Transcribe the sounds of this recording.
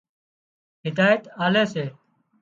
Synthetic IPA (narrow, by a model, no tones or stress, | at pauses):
ɦɪd̪aːjət̪aːleːseː